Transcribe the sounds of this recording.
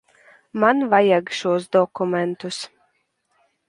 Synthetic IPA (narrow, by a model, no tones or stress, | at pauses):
manvajaɡʃuɔsd̪ɔkumʲɛnt̪us